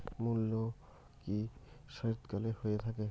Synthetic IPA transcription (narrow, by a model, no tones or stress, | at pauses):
mulːo | kiʃɔit̪kɔlehoet̪ʰake